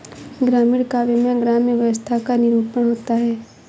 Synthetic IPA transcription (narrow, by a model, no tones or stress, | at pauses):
ɡɾaːmiːɽkaːʋemẽɡɾaːmjəʋjəʋəst̪ʰakanɪɾuːpəɳɦoːt̪aɦɛː